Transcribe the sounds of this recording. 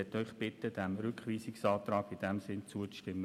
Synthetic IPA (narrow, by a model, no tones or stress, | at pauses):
ɛt̪œʏχb̥ɪt̪əd̥æmɾʏkχʋiːsɪksɑːt̪ɾɑːɡɪd̥ɛmsɪnt͡suəʃtɪmːə